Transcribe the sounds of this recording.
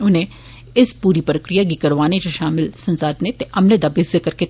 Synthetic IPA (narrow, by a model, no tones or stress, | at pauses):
ʊnẽ | ɪspuːɾipɾəkɾijaɡikɐɾʋaːned͡ʒoʃaːmɪlsɐ̃nsaːd̪net̪eʔɐmled̪abɪszəkɐɾke